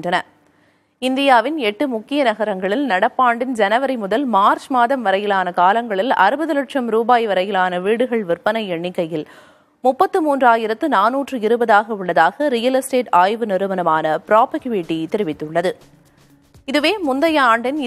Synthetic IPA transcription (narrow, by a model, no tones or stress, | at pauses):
drɐnɐ | ɪnd̪ɪjaːʋɪnɛʈːɯmʊkːɪjɐnɐɣɐɾɐŋɡɐɭɪlnɐɽɐpːaːɳɖɪnd͡ʒɛnɐʋɐɾɪmʊðɐlmaːɾt͡ʃmaːðɐmʋɐɾɐjɪlaːnɐkaːlɐŋɡɐɭɪlɐ̰ɾɯbɐðɯlɐʈʂɐmɾuːbaːjʋɐɾɐjɪlaːnɐʋiːɽɯɣɐɭʋɪrpɐnɐɪɛɳːɪkːɐjɪl | mʊpːɐt̪ːɯmuːndraːjɪɾɐt̪ːɯnaːnuːʈrɯɪɾɯbɐðaːɣɐʊɭːɐðaːɣɐɾɪjɐlɐsʈeːʈaːjʋɯnɪɾɯʋɐnɐmaːnɐpɪɾaːpɐɣʊʋiʈːit̪ːɪɾɯʋɪt̪ːɯɭːɐðɯ | ɪðɯʋeːmʊnd̪ɐjɐaːɳɖɪn